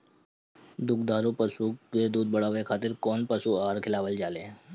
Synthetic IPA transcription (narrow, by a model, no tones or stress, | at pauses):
d̪ukd̪aːɾupəsuʋed̪uːd̪̚bəɽaːʋekʰaːt̪ɪɾkɔːnpəsuaːɾkʰɪlaːʋəld͡ʒaːle